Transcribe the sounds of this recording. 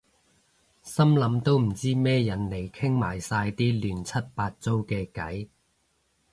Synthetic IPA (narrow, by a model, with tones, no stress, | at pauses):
sɐ˥mlɐ˨˥mt̪o˥wm̩˨˩t͡siː˥mɛː˥jɐ˨˩nle˨˩jkʰɪ˥ŋma̰ː˨˩jsaː˧jt̪iː˥lyː˨˩nt͡sʰɐ˥t̚paː˧t̚t͡so˥wkɛː˧kɐ˨˥j